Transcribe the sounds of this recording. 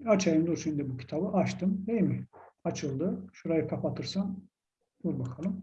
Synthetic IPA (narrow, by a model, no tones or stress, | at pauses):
at͡ʃʰajimd̪osind̪ɛbucʰi̥t̪ʰabɯʔaʃt̪ʰɯmeimiat͡ʃʰɯlˠd̪ɯʃuɾajakʰapat̪ʰɯɾsan | uɾbakʰalˠɯm